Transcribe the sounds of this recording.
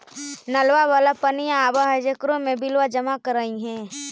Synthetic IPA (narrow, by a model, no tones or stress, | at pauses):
nɐlwaʋaːlapənijaːbaɦad͡ʒəkɾõmẽbɪlwad͡ʒəmakəɾaːĩɦɛ̃ː